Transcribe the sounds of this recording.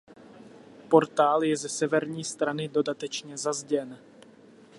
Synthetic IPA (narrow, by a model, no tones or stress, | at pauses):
po̞ɾt̪aːljɛzɛsɛvɛɾɲiːst̪ɾanɪdo̞dat̪ɛt͡ʃɲɛzazɟɛn